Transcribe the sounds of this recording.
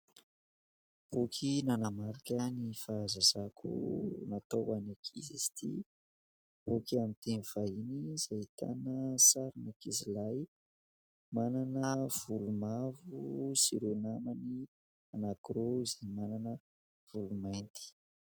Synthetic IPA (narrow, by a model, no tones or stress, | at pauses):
bukʰinanamaɾakʲanifazazakʰṵnat̪owanakʰḭzesi̥t̪ʰḭ | bukiamint̪eniv̥ainiz̥ait̪a̰nəsaɾunakizilaj | mananəv̥ulumavusiɾunamani | anakɾoizemananə | v̥ulumajnt̪i̥